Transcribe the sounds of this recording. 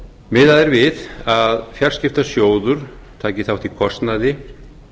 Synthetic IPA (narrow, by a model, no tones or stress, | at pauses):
mɪðaðɛɾvɪðaðfjar̥scɪft̪asjoːwðʏɾ̥ | t̪ʰaːcɪθawht̪ikʰɔst̪naðɪ